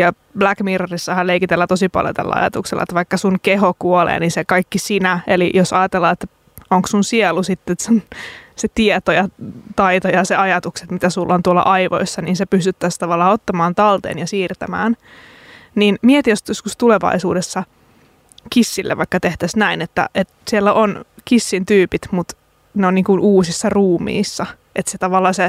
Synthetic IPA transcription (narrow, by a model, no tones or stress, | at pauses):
jɑ | blækmiːrɑrisːɑhɑlleikit̪elːæt̪osipɑ̰ljo̰t̪æ̰lːæ̰ɑ̰jɑ̰t̪ṵkselːɑ̰ḛt̪ʋɑikːɑsunkeɦokuolḛːninsekɑikːisinæelijosɑjɑt̪elːɑːet̪ː | oŋksunsiɛlːusit̪ːet̪senset̪iet̪ojɑt̪ɑit̪ojɑseɑjɑt̪ukset̪mit̪æsulːont̪uolːɑ̰ʔɑiʋo̰isːɑniːnsepyst̪yt̪ːæst̪ɑʋɑlːɑːot̪ːɑmɑːnt̪ɑlt̪ḛːnjɑsiːrt̪æmæ̰ːn | niːnmiet̪ijosjoskust̪uleʋɑ̰isuːdesːɑ | kisːilːḛʋɑikːɑt̪eht̪æsnæinet̪ːæ̰ʔet̪sielːæʔonkisːint̪yːpit̪mut̪ | neonniːŋkunuːsisːɑruːmḭːsːɑ | ʔet̪set̪ɑʋɑlːɑːse